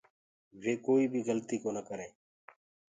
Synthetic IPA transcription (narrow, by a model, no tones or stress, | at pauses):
ʋeːkoːiːbʱiːɣəlt̪iːkoːnəkəɾẽː